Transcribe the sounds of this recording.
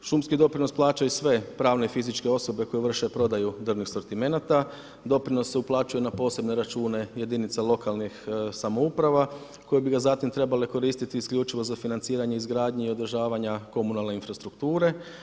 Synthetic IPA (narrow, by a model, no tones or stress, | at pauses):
ʃumskid̪o̞pɾino̞splˠaːt͡ʃaisʋe̞pɾaːʋne̞fizit͡ʃke̞o̞so̞be̞kojeʋr̩ʃe̞pɾo̞d̪ajud̪r̩nixso̞ɾt̪ime̞nat̪a | d̪o̞pɾino̞sːe̞uplˠaːt͡ʃuje̞napo̞ːse̞bne̞ɾat͡ʃuːne̞je̞d̪init̪salˠo̞kalˠnixsamoupɾaʋa | ko̞jebiɡazat̪imt̪ɾe̞baleko̞ɾiːst̪it̪iːskʎʲut͡ʃiʋo̞zafinant̪siːɾaɲeizɡɾaːd̪ɲeio̞d̪r̩ʒaːʋaɲako̞munalˠne̞infɾast̪ɾukt̪uːɾe̞